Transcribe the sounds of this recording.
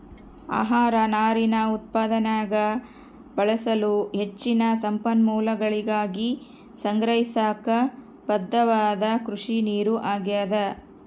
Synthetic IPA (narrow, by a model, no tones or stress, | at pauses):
a̰ːɦaːɾɐnaːɾinɐut̪̚paːd̪ɐnaːɡɐ | bɐɭɐsɐluɦe̞t͡ʃːinɐsɐmpɐnmuːlɐɡɐɭiɡaːɡi | sɐŋɡɾɐɦisaːkɐ | b̥ɐd̪ːɐʋaːd̪ɐkɾuʂiniːɾuʔaːɡjaːd̪ɐ